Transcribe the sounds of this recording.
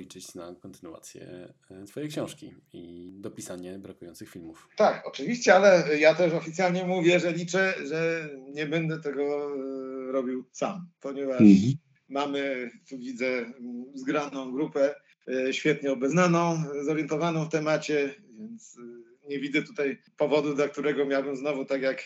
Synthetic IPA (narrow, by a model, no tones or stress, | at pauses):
it͡ʂɛt͡ɕnakɔnt̪ɘnua̰t̪sʲjɛ̰ | t̪fɔjɛjkɕɔ̃w̃ʂkʲi | id̪ɔpʲisaɲɛbɾakujɔ̃nt̪sɨxfʲilmuft̪akɔt͡ʂɨvʲiɕt͡ɕɛalɛjat̪ɛʂɔfʲitsʲjalɲɛmuvʲjɛʐɛlʲit͡ʂɛʐɛɲɛbɛnd̪ɛt̪ɛɡɔ | ɾɔbʲiwsampɔɲɛvaʂ | mamɘt̪uvʲid̪zɛzɡɾanɔ̃w̃ɡɾupɛ | ɕfʲjɛt̪ɲɛɔbɛznanɔ̃w̃zɔɾjɛnt̪ɔvanɔ̃w̃ft̪ɛmat͡ɕɛvʲjɛnt̪s | ɲɛvʲid̪zɛt̪ut̪aj | pɔvɔd̪ud̪lak̚t̪uɾɛɡɔmʲjawbɘmznɔvut̪akjak